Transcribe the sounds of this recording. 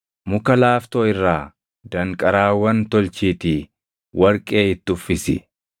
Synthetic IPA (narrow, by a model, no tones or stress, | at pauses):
mʊkɐlaːft̪oːɪrːaː | d̪ɐŋkʼɐɾaːwɐnt̪ɔlt͡ʃiːt̪i | wʔɐɾkʼe̞ːɪt̪ːʊfːɪsɪ̰